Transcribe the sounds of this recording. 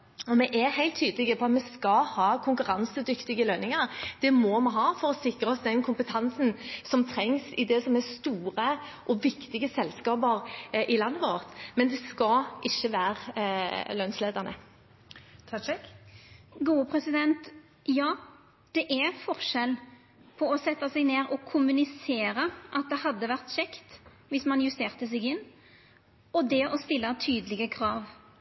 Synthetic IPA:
ɔmɛʔɛhæɪlt̪ʰːyːd̪əlɪɡəpʰɔɑt̪mɛskɑhɑːkʰʊŋkʉʁɑnsəd̪ʏkt̪ɪɡəløːnɪŋəɾd̪̥ɛmɔmɑnɦɑːfɔɾɔsɪkʁəɔsd̪ɛnkʰʊmpət̪ʰɑnsənsɔmt̪ʰɾɛŋsɪd̪ɛsɔmɛst̪uːʁə | ʔɔʋɪkt̪ɪɡəsɛlskɑːbəʁʔɪlɑnːəʋoːʁt̪mɛnd̪ɛskɑʔɪçːəʋæːʁ | løːnsleːd̪əʁnə̰ | t̪ʰɑɛk | ɡuːəpʰɾɛsɪd̪ɛnt̪ | jɑː | d̪̥ɛʔæɾfɔʁʂɛl | pʰɔɔsɛt̪ːɑsɛɡneːɾɔkʰʊmʉnɪseːɾəʔɑt̪̚d̪ɛhɑd̪ːəʋæʁt̪ɕɛkt̪ | ʋɪsmɑnjʉst̪eːʁt̪əs̬ɛɡɪnː | ɔd̪ɛʔɔst̪ɪlːɑt̪ʰyːd̪əlɪɡəkʰɾɑːʋ

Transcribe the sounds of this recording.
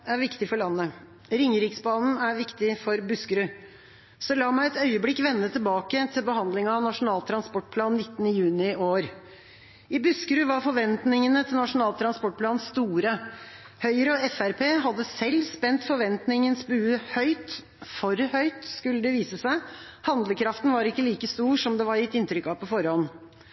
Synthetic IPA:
æɾʋɪkt̪ɪfɔɭɑnːə | ɾɪŋɾɪksbɑːnn̩æɾʋɪkt̪ɪfɔɾbʉskəɾʉ | sɔlɑːmæɪɛt̪œʏəblɪkːʋɛnːət̪ʰɪlbɑːkət̪ʰɪlbəhɑnd̪lɪŋɑʋnɑʂʊnɑːlt̪ʰɾɑnspɔʈ̚ːpʰlɑːnːɪt̪ːənəjʉːnɪʔoːɾ | ɪbʉskəɾʉʋɑɾfɔɾʋɛnt̪nɪŋənət̪ʰɪlnɑʂʊn̩ɑːlt̪ʰɾɑnspɔʈ̚pʰlɑːnst̪uːɾə | hœʏɾəɔɛfæɾpʰeːɦɑd̪ːəsɛlːspɛnt̪fɔɾʋɛnt̪nɪŋənsbʉːəhœʏt̪ | fɔɾhœʏt̪skʉlːəd̪ɛʋiːsəsæɪ | hɑnd̪ləkʰɾɑft̪n̩ʋɑɾɪkːəliːkəst̪uːʂɔmd̪ɛʋɑɾjɪt̪ːɪnt̪ɾʏkːɑpʰɔfɔɾhɔnː

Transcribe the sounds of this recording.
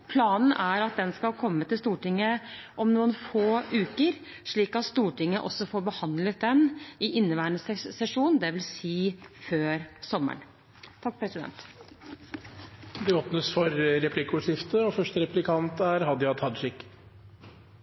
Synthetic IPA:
pʰlɑːnn̩æɾɑt̪̚d̪ɛnskɑlkʰɔmːət̪ɪlst̪uːʈɪŋːəʔɔmnuːənfoːʉːkəɾ | ʂɭiːkɑt̪st̪uːʈɪŋːəʔɔ̰sːɔfoːɾbəhɑnd̪lət̪̚d̪ɛnɪʔɪnːəʋæːɳəsɛsɛʂuːnn̩d̪ɛʋɪlsiːføːɾsɔmːə̰ɳ | t̪ʰɑk̚ːpʰɾɛsɪd̪ɛ̰nt̪ | d̪ɛoːpnəsfɔɾɾɛpʰlɪkuʂɪft̪əɔfœʂʈəɾɛplɪkʰɑnt̪æɾhɑd̪jɑt̪hɑd̪ʂɪkː

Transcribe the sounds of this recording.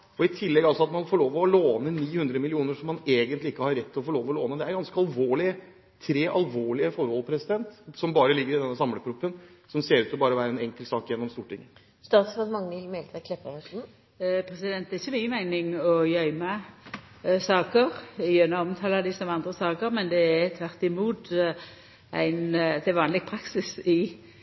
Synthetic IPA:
ɔɪt̪ʰɪlːɛɡɑlsɔɑt̪mɑnfoːɭoːʋɔloːnəniːhʉnd̪ɾəmɪlɪuːnəʂɔmːɑneːɡənt̪lɪɪkːəhɑɾɛt̪ʰːɪlɔfoːɭoːʋɔloːnəd̪ɛæɾɡɑnskəɑlʋoːɭɪə | t̪ʰɾeːʔɑlʋoːɭɪəfɔɾhɔlpʰɾɛsɪd̪ɛnt̪sɔmbɑːɾəlɪɡːəɾɪd̪ɛnːəsɑmləpʰɾʊpːənsɔmseːɾʉːt̪ɔbɑːɾəʋæːɾəɛnɛŋkəlt̪sɑːkjɛnːɔmst̪uːʈɪ̰ŋːə | st̪ɑːt̪sɑd̪mɑŋnɪlmɛlt̪əkʰlɛpəɑʂ | pʰʁɛsɪd̪ɛnt̪d̪ɛɪçːəmyːəmæɪnɪŋɔjœʏmɑ | sɑːkəʁɪjønɔɔmt̪ʰɑːlɑd̪ɪsɔmɑnd̪ʁəsɑːkəʁmɛnd̪ɛæt̪ʰʋæʁt̪ɪmuːt̪ | ʔæ̰ɪnd̪ɛɛʋɑːnlɪɡ̚pʰɾɑksɪsɪ

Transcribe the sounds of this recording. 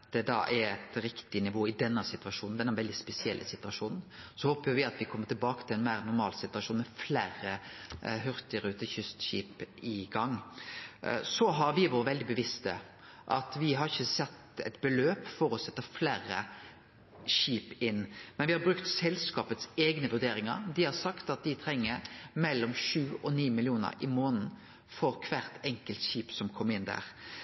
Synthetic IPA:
d̪̥ɛd̪ɑ̰ʔɛɾɛt̪ɾɪkt̪ɪnɪʋoːɪd̪ɛnːəsɪt̪ʋɑʂuːnn̩d̪ɛnːɛnʋɛld̪ɪspɛsɪɛ̰lːʔə̰sɪt̪ʉɑʂuːnn̩sɔhoːpjəɾʋɪɑt̪ʋɪkʰɔmːət̪ɪlbɑːkə̥t̪ʰɪlɛnmæɪɾɛnːʊɾmɑ̰ːlsɪt̪ʉɑʂuːnmɛflæːɾəɦʉɾt̪ɪəɾʉːt̪əçʏst̪ɕiːpɪɡɑŋː | sɔɦɑɾʋɪʋoːɾəʋɛld̪ɪbəʋɪst̪ə̰ | ʔɑ̰t̪ʋɪɦɑɾɪçəsɛt̪ːɛt̪bəløːpfɔɾɔsɛt̪ːəfleːɾə̰ | ɕiːpɪnːmɛnʋɪhɑɾbɾʉkt̪sɛlskɑːpət̪seːɡnəʋʉɾd̪eːɾɪŋə̰ɾd̪ɪhɑɾsɑkt̪ɑt̪̚d̪ɪt̪ʰɾɛŋːəɾmɛlːɔmʃʉːɔniːmɪlɪuːnə̰ɾɪmoːnn̩ | fɔɾkʰʋæɾt̪ʰɛŋkəlt̪ɕiːpsɔmkʰɔmːɪnːd̪æ̰ːʁ

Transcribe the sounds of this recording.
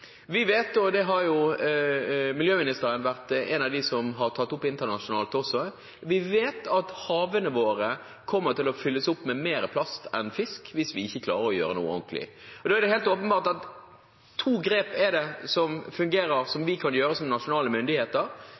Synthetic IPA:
ʋɪʋeːt̪ɔd̪ɛɦɑɾjʊ | mɪljøːmɪnɪst̪əɾənʋæʁt̪ɛnɑʋd̪ɪsɔmɦɑʁt̪ʰɑt̪ːʊpːɪnt̪ənɑʂʊnɑːlt̪ɔsːɔ | ʋɪʋeːt̪ɑt̪hɑːʋənəʋoːɾə | kʰɔmːəɾt̪ɪlɔfʏlːəsʊpːmɛmeːɾəpʰlɑst̪ɛ̰nfɪskʋɪsʋɪɪçːəkʰlɑ̰ːɾəɾɔjø̰ːɾənṵːə̰ɔ̰ŋklɪ̰ɔd̪oːɛɾdɛheːlt̪oːpənbɑːʁt̪ɑt̪ʰː | uːɡɾeːpɛd̪ɛsɔmfʉŋɡeːɾəɾsɔmʋɪkʰɑnjøːɾəsɔmnɑʂʊnɑːləmʏnd̪ɪheːt̪əɾ

